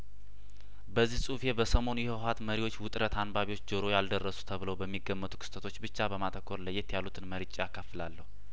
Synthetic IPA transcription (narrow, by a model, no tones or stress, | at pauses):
bəzːihsʼufebəsəmo̞njɛheat̪məɾiwot͡ʃːwʊt̪ʼɾət̪anbaβiwot͡ʃːd͡ʒəɾo̞jald̪ərːəsu̥t̪ʰəβɨləwbəmːiɡːəmːət̪ʰu̥kʰɨ̥st̪ʰʼət̪ʰo̞t͡ʃːbɨt͡ʃːabəmat̪ʰəkʰːoɾləjːet̪jalːut̪ʰɨnməɾit͡ʃʼːijakʰːafɨlalːəhu